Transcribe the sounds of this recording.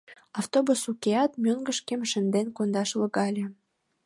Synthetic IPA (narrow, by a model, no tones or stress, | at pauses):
ɑft̪obusukeɑt̪mʲøŋɡə̆ʃkemʃə̆nd̪enkond̪ɑʃlə̆ɣɑlʲĕ